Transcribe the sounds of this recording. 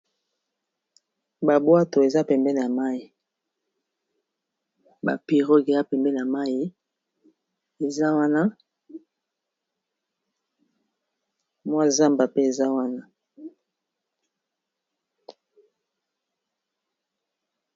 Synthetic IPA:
ba˨bwa˦to˨e˨za˦pɛ˨mbɛ˦n˨a˨ma˦i˨ | ba̰˨pi˨ʁo˦ɡe˨za˦pɛ˨mbɛ˦n˨a˨ma˦ji˦ | e˨za˦wa˦na˦ | mwa˦za˦mba˨pe˦e˨za˦wa˦na˦

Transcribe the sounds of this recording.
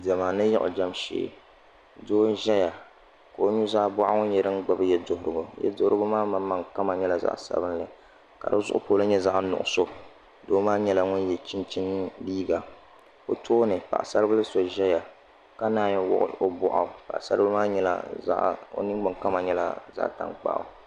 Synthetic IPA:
dɛ˨maː˨nɨ˦jɛ˦ʔʊ̰˨d͡ʒa˦mʃḛː˨ | doː˦ʒɛ˦ja˨ | ka˨o˦ɲu˦zaː˦bʊ˦ʔa˦ŋʊ˦n˦jɛ˦ɾɨ˦n˦ɡ͡ba˦bɨ˦jɛ˦dʊ˨hʊ˨ɾɨ˨ɡo˨jɛ̰˦dʊ˦hɾɨ˦ɡʊ˦maː˦ma˨mːa˨ŋka˦ma˨ɲɛ˦la˨za̰˦ʔsa̰˨bɨ˦n˦lɨ˨ | ka̰˨dɨ˦zʊ˦ʔʊ˦poː˨˦lɨ˦ɲɛ˦za˦ʔnʊ̰˨ʔʊ̰˨so˦ | doː˦maː˦ɲɛ˦la˨ŋʊ˦njɛ˨t͡ʃi˦nt͡ʃi˦nː˦liː˦ɡa˨ | ko˦tʰoː˦nɨ˨pa̰˨ʔsa˦ɾɨ˦bɨ˦lɨ˦so˨ʒɛ˦ja˨ | ka˦naː˦˨ɲɛ˨wʊ̰˦ʔʊ̰˨˦o˦bʊ˨ʔa˨pa̰˨ʔsa˦ɾɨ˦bɨ˦maː˦ɲɛ˦la̰˨za̰˦ʔo̰˦nɨ˦ɡ͡bɨ˨ka˦ma˨ɲɛ˦la̰˦za̰˦ʔta̰˨ŋk͡pa̰˦˨ʔa̰˨

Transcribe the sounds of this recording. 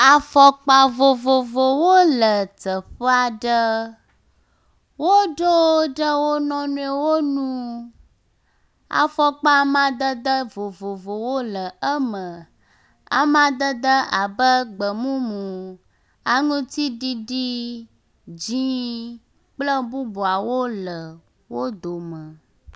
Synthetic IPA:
a˨fɔ˦k͡pa˦vo˨vo˨vo˨wo˦lə˨t̪ə˨ɸə˦a˨ɖə˦ | wo˦ɖo˦ɖə˦wo˦nɔ̃˦nũ˦e˦wo˦nũ˦ | a̰˨fɔ˦k͡pa˦mã˦d̪ə˦d̪ə˦vo˨vo˨vo˨wo˦lə˨ə˦mə̃˨ | a̰˨mã˦d̪ə˦d̪ə˦a˨bə˦ɡ͡bə˨mũ˦mũ˨ | a˨ŋũ˦t̪i˦ɖi˦ɖi˦ | d͡ʒĩ˦ | k͡plə˦bu˦bo˨a˨wo˦lə˨ | wo˦d̪o˨mə̃˨

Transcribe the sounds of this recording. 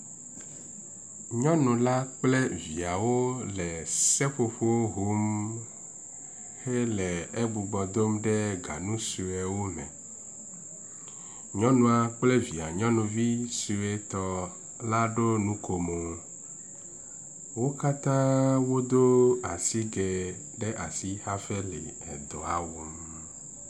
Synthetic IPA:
ɲɔ̃˦nũ˨la˦k͡ple˦vi˨a˨wo˦lɛ˨sɛ˦ɸo˨ɸo˦wo˦ɦo˦m | he˦lɛ˨e˦ɡ͡bu˨ɡ͡bɔ˨d̪o˦mɖe˦ɡa̰˨nũ˦si˨we˨wo˦nɛ̰̃˨ | ɲɔ̃˦nũ˨a˨k͡ple˦vi˨a˨ɲɔ̃˦nũ˨vi˦si˨e˦t̪ɔ˦ | la˦ɖo˦nũ˦ko˨mo˨ | wo˦ka˦t̪ã˦wo˦d̪o˦a˨si˦ɡɛ˨ | ɖɛ˦ʔa˨si˦ha˦fɛ˦lḛ˨ɛ˨d̪ɔ˨a˨wo˨m

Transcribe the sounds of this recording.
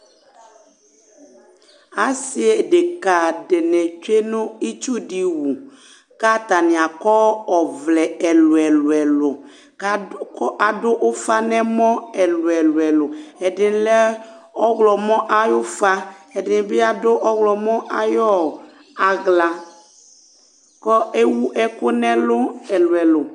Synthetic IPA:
a˦si˦e˨de˨ka˨de˨nɛ˨t͡ʃe˦nʊ̃˦i˦t͡ʃu˦di˦wu˨ | ka˦t̪a˨nɪ˨a˨kɔ˦ɔ˨vlɛ˨ɛ˨lʊ˨ɛ˨lʊ˨ɛ˨lʊ˨˦ | ɔ˦ʔa˨dʊ˦ʔʊ˦fa˦nɛ˦mɔ̃˦ɛ˨lʊ˨ɛ˨lʊ˨ɛ˨lʊ˨ɛ˨dɪ˨n˦lɛ˦ | ɔ˦ɣlɔ˨mɔ̃˦ʔa˦jʊ˦fa˦ɛ˨dɪ˨n˦bɪ˦a˨dʊ˦ʔɔ˦ɣlɔ˨mɔ̃˦ʔa˨jɔ˦˨ | a˨ɣla˨ | kɔ˦e˦wu˦ʔɛ˦kʊ˦nɛ̃˦lʊ˦ɛ˨lʊ˨ɛ˨lʊ˨

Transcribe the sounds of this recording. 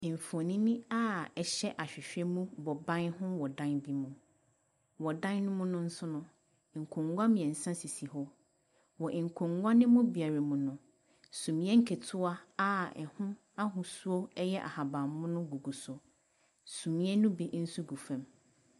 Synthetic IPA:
ɱ̩˨fo˨nĩ˦nĩ˦a˦ɛ˨ɕɛ˦ʔa˨ɕᶣɪ˨ɕᶣɛ˦mũ˦bɔ˨bã˦nhʊ̃˦wɔ˨dã˦nbi˦mũ˨ | wɔ˨dã˦nnʊ̃˦mʊ̃˦nʊ̃˦n̩˦sʊ˦nʊ̃˦˨ | ŋ̩˨kʰʊ̃˨ŋɡʷa˦mĩ˨ɛ̃˨n̩˨sã˦si˨si˨hɔ˦ | wɔ˨ʔŋ̩˨kʰʊ̃˨ŋɡʷa˦nɪ̃˦mʊ̃˦bi˨a˨ɾa˨mũ˨nʊ̃˨ | sũ˨mĩ˦ɛ˦ŋ̩˦kʰe˨tʰʊ˦a˦a˦ɛ̰˨hʊ̃˦ | a˦ɦʊ̃˨su˦o˦ɛ˦jɛ˦ʔa̰˨ha˨bã˨mːʊ̃˦nʊ̃˦ɡu˨ɡu˨sʊ˨ | sũ˨mĩ˦ɛ˦nʊ̃˦bi˦n̩˦su˦ɡu˨fã˨m

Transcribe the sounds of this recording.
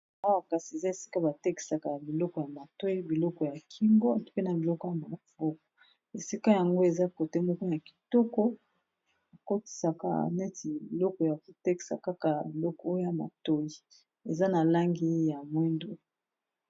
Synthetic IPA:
a˦wa˦˨ka˨si˨e˨za˦e˨si̥˦ka˦ba˨te˦ki̥˨sa˨ka˨bi˨lɔ˦kɔ˨ja˨ma˨to˦ji˦bi˨lɔ˦kɔ˨ja˨kʰi˦mbo˦˨tu˦ke˦na˨bi˨lɔ˦kɔ˨ja˨ma˨fo˦kɔ̥˨ | e˨si˦ka˦ja˨ŋɡo˦e˨za˦ko˨te˦mɔ˦ko˦na˨ki̥˨tɔ˦kɔ˦ | a˨ko˦ti̥˨sa˨ka̰˨nɛ˦ti˨bi˨lɔ˦kɔ˨ja˨ko˨te˦ki̥˨sa̰˨ka˦ka˨bi˨lɔ˦kɔ˦o˦jo˦ja˨ma̰˨to˦ji˨ | e˨za˦na˨la˦ŋɡi˦ja˨mwi˦ndo˦

